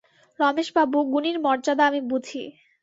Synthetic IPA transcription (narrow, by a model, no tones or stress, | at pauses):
ɾɔmeʃbabuɡuniɾmɔɾd͡ʑad̪aamibud̪ʱḭ